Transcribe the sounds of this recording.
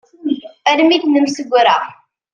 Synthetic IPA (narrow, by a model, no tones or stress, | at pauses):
æɾmiθnəmsəɡʷːɾa